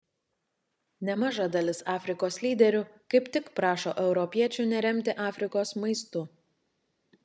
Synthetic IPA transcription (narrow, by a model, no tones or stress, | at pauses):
nʲɛmɑʒɐd̪ɐlʲɪsɑːfʲɾʲɪkoːslʲiːd̪ʲɛɾʲʊkɐɪpt̪ʲɪkpɾɑːʃo̰ːʔɛʊɾɔpʲiɛt͡ʃʲʊˑnʲɛɾʲɛmʲt̪ʲɪʔɑːfʲɾʲɪkoːsmɐɪst̪ʊ